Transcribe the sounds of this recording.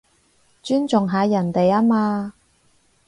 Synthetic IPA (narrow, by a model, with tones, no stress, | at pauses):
t͡ʃyː˥nt͡sʊ˨ŋɦaː˨˧jɐ˨˩nt̪e˨jaː˥maː˧